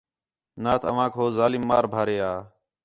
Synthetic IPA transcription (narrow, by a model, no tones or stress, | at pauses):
naːt̪ʰəʋ̤ãːkʰoːzaːlɪmːaːɾbʱaːɾeːaː